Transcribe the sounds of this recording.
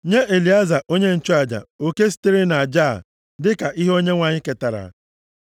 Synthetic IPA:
ɲe˦ʔe˨li˨a˦za˨ʔo˦ɲe˦n̩˨t͡ʃo˦a˨d͡ʒa̰˨o˨ke˦s̬i̥˦te˦ɾe˦na˨d͡ʒa˦˨ | dɪ˦ka˨ʔi˦ɦo˦ɲe˦ŋʷa˨ɲɪ˦ke˨ta˨ɾa̰˨

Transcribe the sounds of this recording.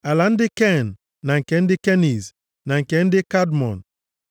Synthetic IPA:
a˨la˨n̩˦dɪ˦ke˦˨nː˨ | a˨ŋ̩˨ke˨n̩˦dɪ˦ke˦ni˨z | na˨ŋ̩˨ke˨n̩˦dɪ˦ka˦dmɔ̰˨n˨

